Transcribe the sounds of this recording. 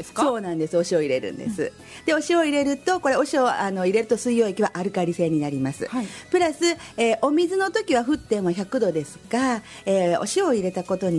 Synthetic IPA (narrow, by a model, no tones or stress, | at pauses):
soːnãnd̪e̞sɨo̞ɕio̞iɾe̞ɾɯ̟̰̃nd̪e̞̰sɨ̰ | d̪̥e̞o̞ɕio̞iɾe̞ɾɯ̟t̪o̞ko̞ɾe̞o̞ɕio̞ano̞iɾe̞ɾɯ̟t̪o̞sɨijːo̞ːekʲiβaʔaɾɯ̟kaɾʲise̞ːɲ̟inaɾʲimasɨ̰pɯ̟ɾasɨeːʔo̞mʲizɨno̞t̪o̞kʲiβaɸɯ̟t̪ːẽ̞ɰ̃mːoçʲakɯ̟d̪o̞d̪e̞sɨ̥ka | eːo̞̰ɕio̞iɾe̞t̪ako̞t̪o̞ɲ̟i